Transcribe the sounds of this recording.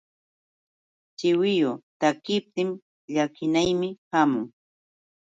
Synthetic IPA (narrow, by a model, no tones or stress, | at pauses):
t͡ʃɪwɪjot̪akɪp̚t̪ɪm | ʎakɪnajmɪhamʊŋ